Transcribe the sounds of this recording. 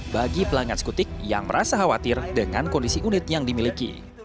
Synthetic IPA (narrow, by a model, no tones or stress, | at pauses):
baɡipəlaŋanskut̪ɪk̚ja̰ŋməɾasaɦawat̪ɪrdəŋankɔndisiʔunɪt̪̚jaŋdimilikḭ